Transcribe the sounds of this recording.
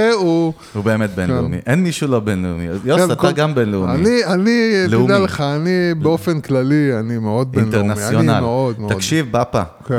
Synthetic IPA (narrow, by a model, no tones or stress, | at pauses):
eu | ube̞ːmet̪̚benlḛumḭʔenmiʃulo̞benleumḭajosat̪aɡambenleumainianileudealeχaːnibeofenklalianimeo̞d̪̚bieineʁnasjonaleod̪mt̪akʃivbapak